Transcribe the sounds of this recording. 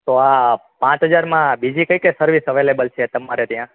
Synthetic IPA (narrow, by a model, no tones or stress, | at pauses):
t̪oa | pãt͡ʃɦəd͡ʒaɾmãbid͡ʒikəikesəɾʋisɦəʋelebəlt͡ʃʰet̪əmaɾet̪jã